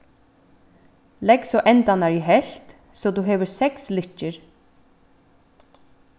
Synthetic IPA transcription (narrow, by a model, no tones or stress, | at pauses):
lɛksɔʔɛnt̪anaɾiɦɛl̥t̪ | sɔt̪uɦɛːʋɪɾsɛkslɪht͡ʃːɪɾ